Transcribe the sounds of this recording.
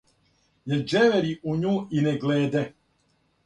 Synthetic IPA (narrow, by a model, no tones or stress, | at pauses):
jeɾd͡ʒɛʋɛɾiʔuɲuːineɡleːd̪ɛ